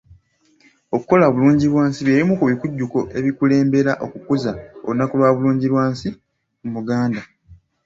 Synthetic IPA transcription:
o̞kuko̞laoβuluːɲɟilwaːnsiβjelimukuβikuɟːuko̞ʔe̞βikule̞ːmbe̞ɾaʔo̞kukuzao̰unːakulwaːβuluːɲɟiɾwaːnsi | mumuɡaːnda

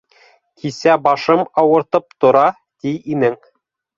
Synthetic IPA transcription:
kʰisæbɑʃɤmɑwɤ̆ɾt̪ɤp̚t̪ŏɾɑ | t̪ijinɘŋ

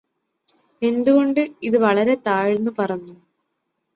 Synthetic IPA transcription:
e̞nd̪uɣo̞ɳɖɨiðɨʋɐɭɐɾe̞t̪aːjinːupɐrɐɲːu

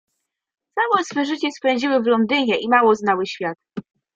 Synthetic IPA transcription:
t̪sawɛsfɛʐɘt͡ɕɛspɛɲʲd͡ʑiwɘvlɔnd̪ɘɲɛʔimawɔznawɘɕfʲjat̪̚

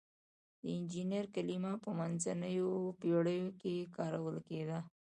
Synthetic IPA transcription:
d̪əɪnd͡ʒinəɾkalimapəmanzanəjopeɽəjokekɑɾawəlked̪a

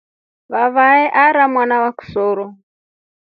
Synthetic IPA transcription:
βaβaɛʔaɾamwanawaku̥sɔːɾɔ

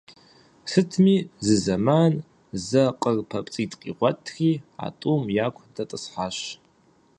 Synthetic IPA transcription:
sɨtʰmiːzɨzɐman | zɐqʼərpʰɐpʼt͡sʼitʰʼqʼḭːʁʷɔtʰxiːa̰tʼumjaːkʷʰdɐtʼɨsħaːɕ

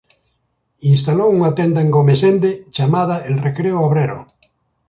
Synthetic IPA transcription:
inst̪alowuŋat̪end̪aeŋɡomesend̪et͡ʃamað̞aʔelrekɾeooβɾeɾo̰

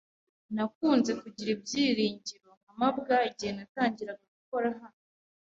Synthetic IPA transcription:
nakuːnze̞kuɟiɾib̚jiːɾiːɲɟiɾoŋamabɡaiɟihe̞nataːɲɟiɾaɡaɡuko̞ɾaɦan

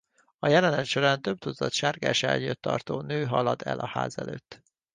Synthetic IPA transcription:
ɒjɛlɛnɛt̪ʃo̞ɾaːnt̪øb̚t̪ud̪zɒt̪ʃaːrɡa̰ːʃɛlɲjøt̪ːɒrt̪oːnøːɦɒlɒd̪ɛ̰lʔɒha̰ːzɛløːt̪ː

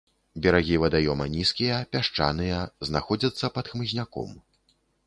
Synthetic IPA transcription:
bʲɛɾaɣʲivɐd̪ajɔmɐnʲiskʲijɐpʲaʂt͡ʂa̰nɨjɐznaxɔd͡zʲɐt̪sːɐpɐt̪xmɨzʲnʲakɔ̰m

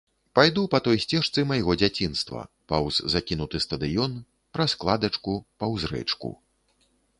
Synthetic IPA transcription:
pajd̪upɐt̪ɔjsʲt͡sʲɛʂt̪sɨmajɣɔd͡zʲat͡sʲinst̪vɐ̰ | pɐwzzakʲinut̪ɨst̪ɐd̪ɨjɔn | pɾɐsklˠad̪ɐt͡ʂkupɐwzɾɛ̰t͡ʂkṵ

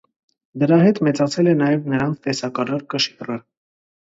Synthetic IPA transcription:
d̪əɾɑɦɛt̪mɛt͡sɑt͡sʰɛlɛnɑjɛvnəɾɑnt͡sʰt̪ɛsɑkɑɾɑɾkəʃrəɾ

